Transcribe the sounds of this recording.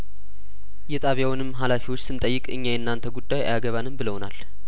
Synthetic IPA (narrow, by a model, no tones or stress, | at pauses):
jɛt̪ʼaβjawnɨmːɦalafiwo̞t͡ʃːsɨnt̪ʼəjːɨkʼɨ̰ɲːajɛnːant̪ʰəɡud̪ːaja̰jaɡəβanɨmbɨləwnal